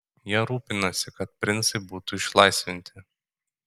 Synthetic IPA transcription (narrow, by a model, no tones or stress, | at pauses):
jiɛɾuːpʲɪnosʲɪkɐt̪̚pʲɾʲɪnsɐɪbuːt̪ʊɪʃlˠɐɪsʲʋʲɪnʲt̪ʲɪ